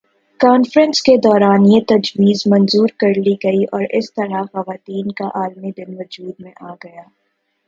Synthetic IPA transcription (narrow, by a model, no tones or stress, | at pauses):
kaːnfɾə̃nsked̪ɔːɾaːnjet̪ɐd͡ʒʋiːzmɐ̃nzuːɾkɐɾliɡɐiʔɔːɾɪst̪ɐɾaxɐʋaːt̪iːnkaʔaːlmid̪ɪnʋɐd͡ʒuːd̪̚mẽʔaːɡɐjaː